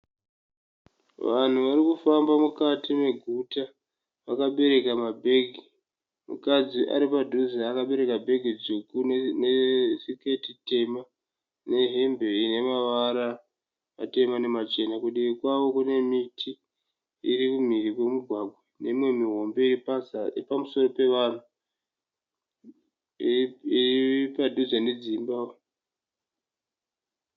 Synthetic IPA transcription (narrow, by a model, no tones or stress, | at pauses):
ʋan̤uʋarikufambamukatime̞ɡʱuta | ʋakaɓe̞ɾe̞kamabʱe̞ɡʱi | mṵkad͡ziʔa̰ɾipadʱuzaːkaɓe̞ɾe̞kabʱe̞ɡʱid͡zukunesike̞tite̞ma | ne̞ɦembe̞ine̞maʋaɾa | ma̰te̞mane̞mat͡ʃe̞nakuɗeikwawo̞kune̞mitʰi | ḭɾikum̤irikwe̞muɡʱwaɡʱwane̞imwe̞miɦo̞mbe̞iripapamuso̞ro̞pe̞ʋan̤u | iipadʱud͡zane̞d͡zimbao